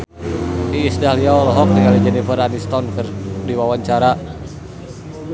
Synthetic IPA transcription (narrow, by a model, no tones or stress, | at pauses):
iːsdahliaɔlɔɦɔk̚t̪əŋalid͡ʒənipəɾanist̪ɔnkərdiwawaɲt͡ʃaɾa